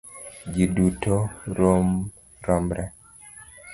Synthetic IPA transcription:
d͡ʒidutoɾom | ɾɔmɾɛ

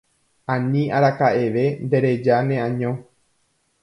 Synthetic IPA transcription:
ãnĩaɾakaʔe̞ʋe̞nd̪e̞ɾe̞d͡ʒanẽ̞ãɲõ

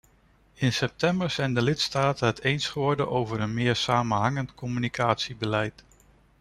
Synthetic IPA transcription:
ɪnsɛp̚tɛmbəɹz̥ɛjndəlɪtstaːtənɦətejnsχəʋɔɹdənʔowvəɹənmɪːɹsaːmənɦɑŋəntkɔmynikʰaːtsibəlɛjt

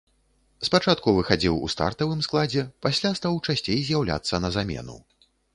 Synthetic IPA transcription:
spat͡ʂat̪̚kuvɨxad͡zʲiwṵst̪a̰rt̪ɐvɨmsklˠad͡zʲɛpasʲlʲast̪awt͡ʂasʲt͡sʲejzʲjawlʲa̰t̪sːɐnɐzamʲɛ̰nṵ

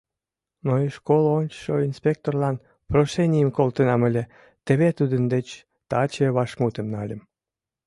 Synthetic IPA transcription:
noiʃkolonʲt͡ɕʃoinspʲek̚t̪orlɑn | proʃenʲijəmkolt̪ənɑməlʲe | t̪eβet̪ud̪ənd̪et͡ɕ | t̪ɑt͡ɕeβɑʃmut̪əmnɑlʲəm

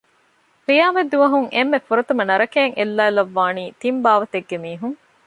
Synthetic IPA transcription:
qijaːmed̪uʋɐɦuŋʔemːefuɾɐt̪umɐnɐɾɐkeːŋʔelːaːilɐʋːaːniːt̪imbaːʋɐt̪eɡːemiːɦuŋ

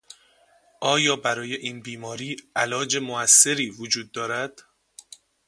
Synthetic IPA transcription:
ʔɒːjɒːbæɾɒːje̞ʔiːnbiːmɒːɾiːælɒːd͡ʒe̞moæsːe̞ɾiːvod͡ʒuːd̪̚ːɒːɾæd̪̥

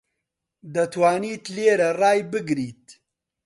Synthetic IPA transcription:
d̪ɐt̪ʰwaːniːt̪leːɾɐrɑːjbɨɡɾiːt̪

